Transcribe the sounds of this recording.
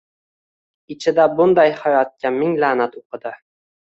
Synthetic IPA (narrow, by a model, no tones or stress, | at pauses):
ɪt͡ʃʰɪd̪abʊnd̪ajχɑɾat̪̚kʲʰamɪŋlanat̪oqʰɨd̪a